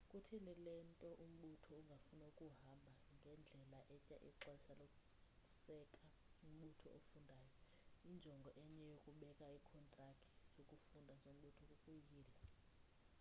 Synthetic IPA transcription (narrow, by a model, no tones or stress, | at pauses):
kʼutʰilɛlɛntʼɔʔum̩ɓutʰɔuŋɡʱafunaukʼuɦambʱa | ŋɡʱɛnd͡ɮʱɛlaʔɛcʼaʔḭǁwɛʃalokʼ | sɛkʼa | um̩ɓutʰɔʔofundʱaːjɔ | ind͡ʒʱɔŋɡʱɔʔɛɲɛjokʼuɓɛkʼaikʰɔntʼraktʰzokʼufundʱazom̩ɓutʰɔkʼukʼujiːla